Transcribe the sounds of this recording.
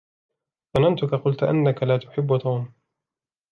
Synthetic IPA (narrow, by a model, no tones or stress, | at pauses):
fɑnant̪ʊkaqʊlt̪ʔa̰nːakalaːt̪ʊ̥ħɪbːʊt̪ʰuːm